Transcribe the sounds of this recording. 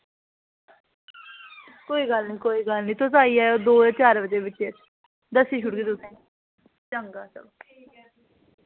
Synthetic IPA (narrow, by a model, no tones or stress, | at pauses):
koːiːɡəlnĩːkoːiːɡəlnĩːt̪ʊsaːiːaːjoːd̪oːət͡ʃaːɾʋət̪eːbɪt͡ʃːe | d̪əsiːʃʰʊʈɡiːt̪ʊsẽː | t͡ʃəŋɡaːsə̰b̚